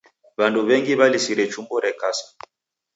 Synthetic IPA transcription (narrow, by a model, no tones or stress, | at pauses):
βanduβɛŋɡiβalisiɾɛt͡ʃumbɔɾɛkasḁ